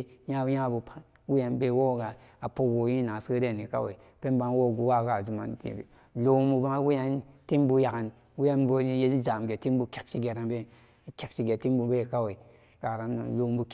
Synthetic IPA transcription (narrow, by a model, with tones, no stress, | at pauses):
ja˦ja˦˨bu˨pa˦ | wu˦ja˨nbe˦wo˦˨ɡa˨ | a˨po˦wo˨˦ji˦na˨sə˦ɾe˦˨ni˨ka̰˦wḛ˨i˨ | pe˦nba˦wo˦˨ɡu˦wa˦ɡa˨zu˨ma̰˨n˦tḭ˨bḛ˨ | lo˦mbu˧ba˦ŋ˦wu˦ja˦nti˦mbu˧ja˨ka˨n | wu˦ja˦nbo˧˦je˦i˦za˨m˨ɡe˨ti˦m˦bu˨˧kʲe˨k̚ʃi˦ɡe˨ɾa˨ŋbe˦ | kʲe˨k̚ʃi˨ɡe˨ti˦m˦bu˨be˦˨ka˦we˨i˨ | ka˨ɾa˨n̰˨lo˦bu˨k